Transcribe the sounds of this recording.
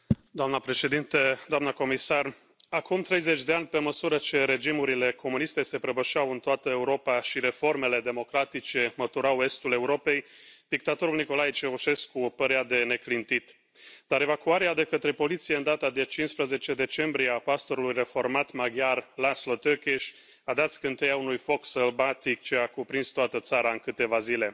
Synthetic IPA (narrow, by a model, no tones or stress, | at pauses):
d̪oamnəpɾe̞ʃe̞d̪int̪əd̪oamnəko̞misar | akumt̪ɾe̞jze̞t͡ʃʲd̪eanʲpe̞məsuɾət͡ʃe̞ɾe̞d͡ʒimuɾile̞kʰo̞munist̪e̞se̞pɾəbəʃawɨnt̪oat̪əe̞uɾo̞paʃiɾe̞fo̞rme̞le̞d̪e̞mo̞kɾat̪it͡ʃe̞mət̪uɾawe̞st̪ule̞uɾo̞pe̞jd̪̥ik̚t̪at̪o̞ɾulniko̞lajit͡ʃevuʃe̞skupəɾead̪e̞ne̞klint̪it̪ | d̪̥aɾe̞vakuaɾead̪e̞kət̪ɾe̞po̞lit̪sijeɨnd̪at̪ad̪e̞t͡ʃinspɾəze̞t͡ʃe̞d̪e̞t͡ʃe̞mbɾieapast̪o̞ɾulujre̞fo̞rmat̪maɡjarlaslot̪økeʃʲ | ad̪at̪sʲkɨnt̪ejaunujfo̞ksəlbat̪ikt͡ʃeakupɾinst̪oat̪ət̪saɾaɨnkɨt̪e̞vazile̞